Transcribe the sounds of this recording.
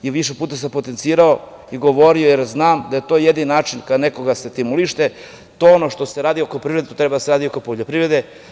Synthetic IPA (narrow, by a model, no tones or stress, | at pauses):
iʋiʃepuːt̪as̬ampot̪ent̪siːɾao | iɡo̞ʋo̞ɾio̞jeɾznaːmd̪aje̞t̪o̞ːjed̪inaːt͡ʃinkad̪neko̞ɡaset̪imuliʃt̪e | t̪oonoʃt̪o̞seɾaːd̪iokopɾivɾed̪et̪ot̪ɾebad̪aseɾaːd̪io̞kopoʎopɾivɾe̞d̪e